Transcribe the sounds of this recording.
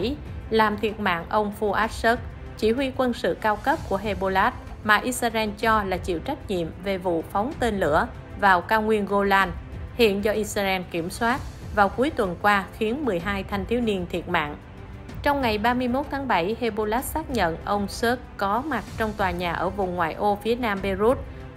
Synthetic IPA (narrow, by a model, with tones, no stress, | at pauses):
laː˨˩mt̪ʰi˨˩ət̚ma̰ː˧˨ŋʔə˧wŋ͡mfu˧ʔaː˦˥t̚sə˦˥k̚ | t͡ɕi˧˩hwi˧kwə˧nsɨ̰˧˨kaː˧wkə˦˥p̚ku˧˩əɦe˧ɓo˧laː˦˥t̚maː˨˩ʔi˦˥saː˧ʔɛ˧nt͡ɕɔ˧laː˨˩t͡ɕḭ˧˨əwt͡ɕa˦˥k̟̚ɲḭ˧˨əmve˨˩vṵ˧˨fɔ˨˦wŋ͡mt̪e˧nlɨ̰˧˩ə | vaː˨˩wkaː˧wŋwi˧ənɣo˧laː˧nhḭ˧˨ənzɔ˧ʔi˧saː˧ʔɛ˧nki˧˩əmswaː˦˥t̚vaː˨˩wku˨˦əjt̪wə˨˩nkwaː˧xi˨˦ənmɨ˨˩əjɦaː˧jt̪ʰa˧jŋ̟t̪ʰi˨˧˦wni˧ənt̪ʰi˨˩ət̚ma̰ː˧˨ŋ | t͡ɕɔ˧wŋ͡mŋa˨˩jɓaː˧mɨ˧əjmo˦˥t̚t̪ʰaː˨˦ŋɓa˧˩jhe˧ɓo˧laː˦˥t̚saː˦˥k̚ɲə̰˧˨nʔə˧wŋ͡msə˦˥k̚kɔ˨˦ma˨˩t̚t͡ɕɔ˧wŋ͡mt̪waː˨˩ɲaː˨˩ʔəː˧˩vʊ˨˩ŋ͡mŋwaː˨˩jʔo˧fi˨˦ənaː˧mɓi˧zu˦˥t̚